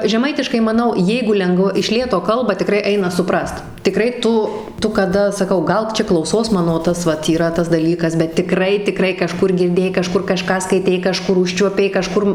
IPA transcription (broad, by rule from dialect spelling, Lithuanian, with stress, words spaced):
ʒʲɛˈmɐɪtʲɪʃkɐɪ mɐˈnɐʊ ˈjɛɪɡʊ ˈlʲɛŋɡʋɐ ɪʃ ˈlʲeːtoː ˈkɐlˠbɐ tʲɪˈkrɐɪ ˈɐɪnɐ sʊˈprɐst tʲɪˈkrɐɪ ˈtʊ ˈtʊ kɐˈdɐ sɐˈkɐʊ ˈɡɐlˠ ˈt͡ʃʲɛ klˠɐʊˈsoːs ˈmɑːnoː ˈtɐs ʋɐt iːˈrɐ tɐs dɐˈlʲiːkɐs bʲɛt tʲɪˈkrɐɪ tʲɪˈkrɐɪ kɐˈʃkʊr ɡʲɪrʲˈdʲeːjɛɪ kɐˈʃkʊr kɐˈʃkɑː skɐɪˈtʲɛɪ kɐˈʃkʊr ˈʊʃʲt͡ʃʲuɔpʲɛɪ kɐˈʃkʊr